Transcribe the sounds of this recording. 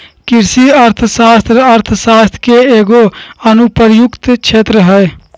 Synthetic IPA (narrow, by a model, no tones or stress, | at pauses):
kɪɾsiəɾt̪ʰsaːst̪ɾəɾt̪ʰsaːst̪ʰkeeːɡoənupəɾjʊkt̪t͡ʃʰeːt̪ɾəɦəe